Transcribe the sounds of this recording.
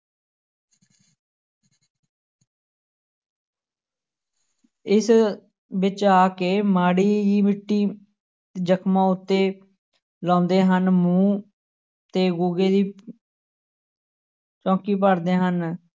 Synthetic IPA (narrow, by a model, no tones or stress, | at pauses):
ɪs | bɪt͡ʃaːkeːmaːɽiːd͡ʒiːmɪʈːiː | d͡ʒəkʰmãːʊt̪ːeː | lɔ̃ːnd̪eːɦənmũː | t̪eːɡuːɡeːd̪iː | t͡ʃɔ̃ːkiːpəɾd̪eːɦən